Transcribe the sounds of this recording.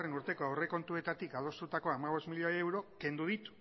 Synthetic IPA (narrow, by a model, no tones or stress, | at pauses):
re̞nuɾt̪e̞ko̞awre̞ko̞nt̪ue̞t̪at̪ikaðo̞st̪ut̪ako̞amaβ̞o̞zmiʎoewɾo̞ke̞nd̪uð̞it̪u̥